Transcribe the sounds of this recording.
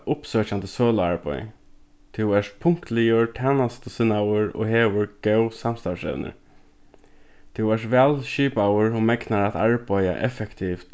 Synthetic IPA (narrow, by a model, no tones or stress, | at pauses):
ʔʊpsœːt͡ʃant̪əsoːlʊaɹpɔ̰j | t̪ʰʊwɛʂt̪̚pʰʊŋ̥kt̪lɪjʊɹt̪ʰɛːnast̪əsɪnːawəɹo̰ːheːʋʊɹɡ̥ɛwsam̥st̪asɛ̰ʋnɪ̰ɹ | t̪ʰʊwɛʂtʋɛːlʃiːpawəɹhʊmɛknaɾat̪aɹpaja̰ʔɛ̰fɛkt̪ʰift̪